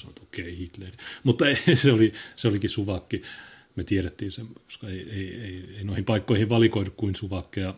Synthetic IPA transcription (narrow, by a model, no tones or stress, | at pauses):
sɑno̰t̪okeihit̪lerimut̪ːɑeseoliseolikisuʋɑkːi | met̪ieɾet̪ːiːnsemːo̥skɑeieieieinoihimpɑikːoihiʋʋɑlikoinukkuinsuʋɑkːejɑ